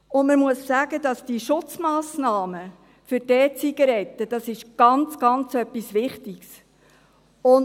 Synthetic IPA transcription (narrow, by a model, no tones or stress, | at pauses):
ʊnməmuəsːæːɡədɑsd̥iʃʊt͡smɑːsnɑːmə | fʏɾdɛːt͡siɡɑɾɛtːəd̥ɑsɪʃɡ̥ɑnt͡sɡ̥ɑnt͡sœpːisʋɪχtiks | ʊn